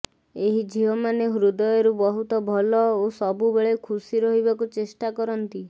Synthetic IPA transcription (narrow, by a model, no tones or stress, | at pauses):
eɦid͡ʒʱiɦɔmaneɦɾud̪ɔjɔɾubɔɦut̪ɔbʱɔlɔosɔbubeɭekʰusiɾɔɦibakut͡ʃesʈakɔɾɔnt̪i